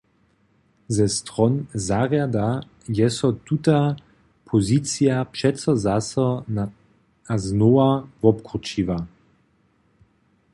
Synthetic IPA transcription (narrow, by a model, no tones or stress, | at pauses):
zɛst̪ʁɔnzaʁjad̪a | jɛsɔt̪ut̪a | pʰozit̪t͡sijapʃɛtsɔzasən | aznoavɔpkut͡ʃiva